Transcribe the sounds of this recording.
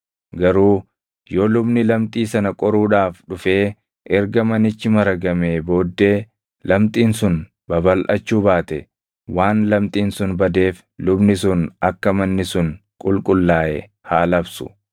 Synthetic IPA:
ɡɐɾuː | joːlʊbnɪlɐmt̪ʼiːsɐnɐkʼɔɾuːᶑaːfᶑʊfe̞ː | ʔɛɾɡɐmɐnɪt͡ʃːɪmɐɾɐɡɐmeːbo̞ːd̪ːe̞ː | lɐmt̪ʼiːnsʊn | bɐbɐlʔɐt͡ʃːuːbaːt̪ɛ | waːnlɐmt̪ʼiːnsʊnbɐd̪e̞ːf | lʊbnɪsʊnɐkːɐmɐnːɪsʊn | kʼʊlkʼʊlːaːʔɛ̰ | haːlɐbsʊ̥

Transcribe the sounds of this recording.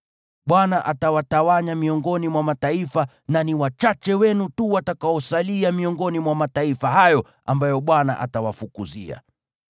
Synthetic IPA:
ɓwanaʔatawatawaɲamiɔŋɡɔnimwamataifa | naniwat͡ʃat͡ʃɛwɛnutuwatakaɔsaliamiɔŋɡɔnimwamataifaɦajɔ | a̰mbajɔɓwana̰ʔa̰tawafukuzḭa̰

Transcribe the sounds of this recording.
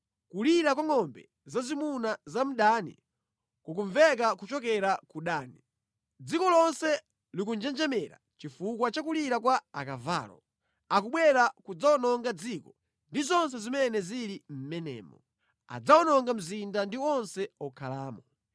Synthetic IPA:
kuliɾakwaŋɔmbɛ̰ | zazimunazam̩ɗanḭ | kuk̬uɱvɛk̬akut͡ʃɔkɛɾakuɗaːni | d͡zikɔlɔnsɛ | lik̬und͡ʒɛnd͡ʒɛmɛɾa̰t͡ʃifukwat͡ʃakuliɾakwaakava̰ːlɔ̰ | akuɓwɛɾakud͡zawɔnɔŋɡad͡zikɔ | ndizɔnsɛzimɛnɛziɾim̩mɛnɛ̰ːmɔ̰ | a̰d͡zaɔnɔŋɡam̩zindandiɔnsɛɔkʰalaːmɔ

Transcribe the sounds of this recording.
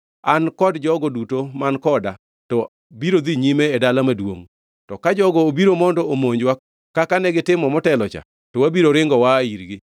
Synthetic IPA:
ankɔdd͡ʒɔɡɔdutomankɔda | tɔ | biɾod̪iɲimeːdalamadwo̰ŋ | tɔkad͡ʒɔɡɔːbiɾomɔndɔomoɲd͡ʒwa | kakanɛɡɪtɪmɔmɔtɛlɔt͡ʃa̰ | tɔwabiɾoɾɪŋɡɔwaːiɾɡɪ

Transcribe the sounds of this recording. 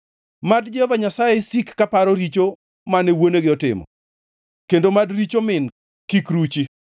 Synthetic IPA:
madd͡ʒɛhɔvaɲasajesikːapaɾɔɾit͡ʃo | manewoneɡɪɔtɪ̰mɔ̰ | kendomadɾit͡ʃomɪn | kikɾut͡ʃi

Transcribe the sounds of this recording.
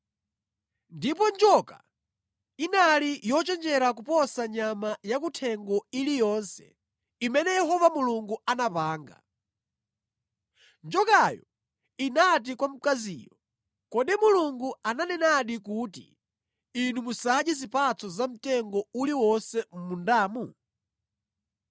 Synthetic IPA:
ndipɔnd͡ʒɔka̰ | inalijɔt͡ʃɛnd͡ʒɛɾak̬upɔsaɲamajak̬utʰɛŋɡɔilijɔnsɛ̥̰ | imɛnɛjɛɦɔvamuluŋɡuanapaːŋɡa̰ | nd͡ʒɔkajɔ̰ | inat̬ikwam̩kazḭːjɔ | kɔɗimuluŋɡuananɛnaɗik̬uːtḭ | inumusaʄizipat͡sʰɔzam̩tɛŋɡɔuliwɔnsɛm̩mundaːmu

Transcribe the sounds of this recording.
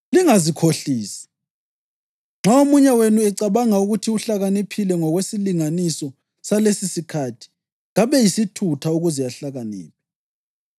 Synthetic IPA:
liŋazikʰoɬiːsḁ | ŋ͡ǁaomuɲɛwenuɛǀaβaŋauɣutʰiuɬaɣanipʰilɛŋɔɣwesiliŋanisɔ | salesisikʰatʰi̥ | ɣaβɛjisitʰutʰauɣuzijaɬaɣanḭːp̚ʰɛ

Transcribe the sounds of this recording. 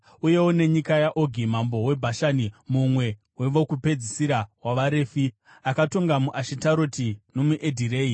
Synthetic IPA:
uje̞wone̞ɲikajaʔoɡʱim̤ambo̞we̞bʱaʃaːnimumwe̞ | we̞ʋo̞kupe̞d͡zisiɾawaʋaɾe̞ːfi | akato̞ŋɡamuʔaʃitaɾotino̞muʔedʱireːi

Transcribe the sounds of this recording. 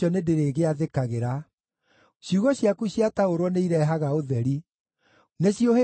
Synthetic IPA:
ɔnedeɾeːɣeaðekaɣeɾa | ɕjuɣɔɕjakuɕiataoɾwɔneiɾɛɦaɣaoðɛɾi | neɕiohe

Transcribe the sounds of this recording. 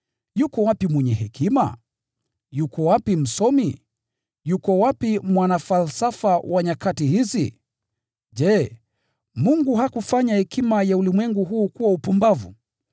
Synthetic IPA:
jukɔwapimwɛɲɛɦɛkima̰ | jukɔwapim̩sɔmi | jukɔwapimwanafalsafawʔaɲakatihizi | d͡ʒɛ | muŋɡuɦakufaɲahɛkimajaulimwɛŋɡuɦuːkuwaupumbavṵ

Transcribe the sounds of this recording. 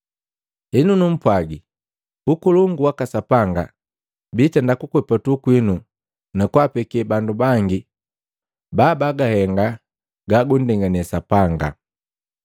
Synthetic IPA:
hinunum̩pwaɡi | ukuluŋɡuwakasapaŋɡa̰ | bitɛndakukwɛpatukwinu | nakwapɛkbandubaŋɡi | baːbaɡahɛŋɡa | ɡaɡundɛŋɡanɛsapaŋɡa̰

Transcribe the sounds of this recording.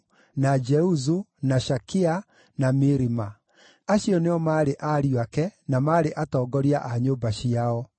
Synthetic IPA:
nad͡ʒɛuzunaʃakia | namiɾima | aɕiɔneɔmaːɾeʔaɾijwakɛnamaːɾeʔatɔːɡɔɾiaʔaɲoːbaɕiaɔ

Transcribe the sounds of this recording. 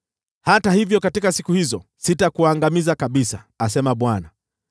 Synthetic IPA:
hatahivjɔkatikasikuhizɔsitakuaŋɡamizakaɓisaːsɛmaɓwana

